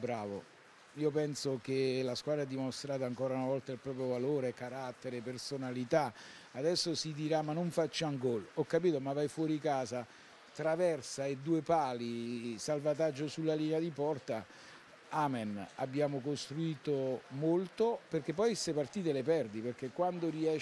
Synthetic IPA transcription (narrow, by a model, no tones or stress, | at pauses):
bɾaːvo̰ | iːopɛnsok̟elaskwaːd̪ɾad̪ːimost̪ɾaːt̪̬aŋkɔːɾaunavɔlt̪ailpɾɔːp̬ɾjovaloːɾekaɾat̪ːeɾepersonalit̪a | ad̪ɛsːosid̪iɾamːanːoɱfat͡ʃːaŋɡɔlɔkːapiːt̪omavːajfwɔːɾikaːza | t̪ɾavɛrsaed̪ːuːepaːlisalvat̪ad͡ʒːosulːaliːnead̪ipɔrt̪a | aːmena̰bːjaːmokost̪ɾuiːt̪omolt̪operk̟epːɔjsepart̪iːt̪̬elepɛrd̪iperk̟ekːwand̪oriɛ